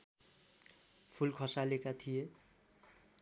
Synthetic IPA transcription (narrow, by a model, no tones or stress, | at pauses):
pʰulkʰʌsalekat̪ʰije